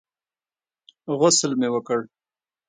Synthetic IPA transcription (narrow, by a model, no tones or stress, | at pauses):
ɣʊslmewəkəɽ